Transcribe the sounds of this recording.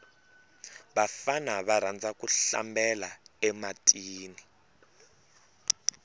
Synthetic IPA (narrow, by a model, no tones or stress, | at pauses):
βafanaβaɾ̤and͡zakuɬa̰mbɛlaɛmatʼiːni